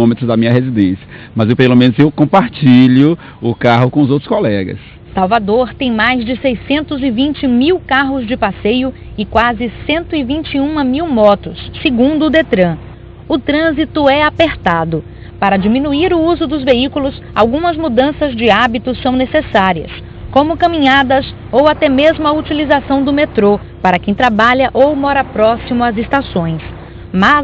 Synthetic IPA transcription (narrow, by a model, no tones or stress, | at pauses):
õmet̪ɾʊzd̪ɐmĩɲɐɦezid̪ẽsijɐ | mɐzewpelomẽnʊzewkõpaɾt͡ʃiʎʊ | ʊkaɦʊkõʊzowt̪ɾʊ̥skolɛɡɐ̰s | sawvad̪oɾt̪ẽj̃majzd͡ʒɪsejsẽnt̪ʊzɪvĩnt͡ʃɪmiwkaɦʊzd͡ʒɪpasejʊ | ɪkwazɪsẽnt̪ʊɪvĩt͡ʃɪũmɐmiwmɔt̪ʊsːeɡũnd̪ʊːd̪et̪ɾɐ̃ | ʊt̪ɾɐ̃zit̪ʊɛapeɾt̪ad̪ʊ | paɾɐd͡ʒimĩnuiɾʊuzʊd̪ʊzveikʊlʊs | a̰wɡũmɐzmud̪ɐ̃sɐzd͡ʒɪabit̪ʊsɐ̃w̃nesesaɾiɐ̰s | kõmʊkɐ̃mĩɲad̪ɐs | owat̪ɛmezmʊɐut͡ʃilizasɐ̃w̃d̪ʊmet̪ɾo | paɾɐkẽj̃t̪ɾabaʎɐʔowmɔɾɐpɾɔsimʊɐzest̪asõj̃s | ma